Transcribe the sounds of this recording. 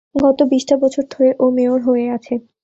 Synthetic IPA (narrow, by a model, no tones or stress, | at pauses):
ɡɔt̪obiʃʈabɔt͡ɕʰoɾd̪ʱoɾeʔomeoɾɦoeat͡ɕʰe